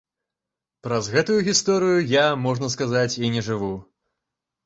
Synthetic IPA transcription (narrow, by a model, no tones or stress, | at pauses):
pɾɐzɣɛt̪ujuɣʲist̪ɔɾɨjujamɔʐnɐskazat͡sʲinʲɛʐɨvu